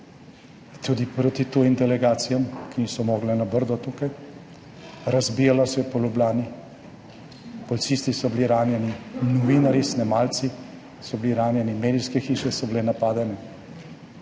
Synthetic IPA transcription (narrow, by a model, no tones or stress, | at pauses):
t̪ud̪ipɾot̪it̪oːjimd̪ɛlɛɡaːt̪sijamkinisɔmoːɡlɛnabəɾd̪ɔt̪ːukaj | ɾazbiːjalasɔjɔpɔlublaːni | pɔlit̪siːst̪isɔbiliɾaːnjɛninɔʋiːnaɾisnɛmaːlsi | sɔbliɾaːnjɛnimeːd̪iskɛxiːʃɛsɔbileːnapaːd̪ɛnɛ